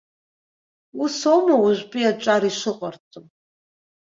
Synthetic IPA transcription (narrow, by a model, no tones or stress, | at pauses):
usomawʊʒʷpʼiaʈ͡ʂʷʼaɾiʂɨqʼart͡sʰʼom